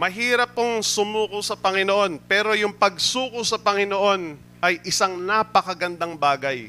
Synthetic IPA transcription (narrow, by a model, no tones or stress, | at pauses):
mɐɦiːɾɐp̚ːoŋsʊmuːkosɐpɐŋɪnoʔo̞npɛːɾo̞jʊŋpɐɡsuːkʊsɐpɐŋɪno̞ʔo̞n | ʔɐjʔɪsaŋnapɐkɐɡɐnd̪ɐŋbaːɡɐj